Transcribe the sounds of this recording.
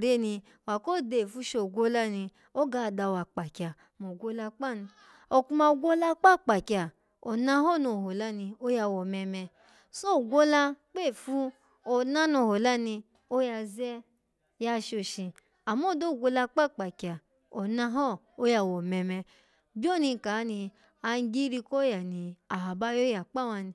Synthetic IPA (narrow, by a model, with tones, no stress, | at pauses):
ɾe˦˨nĩ˧ | wa˨ko˦˨de˧˨fu˧˦ʃo˧˨ɡʷo˦la˦nĩ˧ | o˦ɡa˧˨da˧˨wa˨k͡pa˨kʲa˨ | mo˨ɡʷo˦la˧k͡pa˦˨n˧ | o˧ku˧ma˧o˧ɡʷo˦la˧k͡pa˦˨k͡pa˨kʲa˨ | o˨nã˧hɔ˦˨no˧˨ho˨la˦nĩ˧o˦ja˧wɔ˨mɛ˧mɛ˧ | so˦˨ɡʷo˦la˧k͡pe˦˨fu˧˦ | o˧na˦no˧˨ho˨la˦nĩ˧ | o˦ja˧zɛ˦ | ja˧ʃo˧ʃi˧ | a˨mo˦˨do˦˨ɡʷo˧la˧k͡pa˦k͡pa˨kʲa˨ | o˨nã˧ɦɔ˦˨ | o˦ja˧wo˨mɛ˧mɛ˧ | bʲo˦˨nĩ˧ka˨˦nĩ˧ | a˧n˧˦ɡi˦ɾi˧ko˦ja˨nĩ˧a˨a˨ba˦jo˦ja˨k͡pa˦wa˧nĩ˧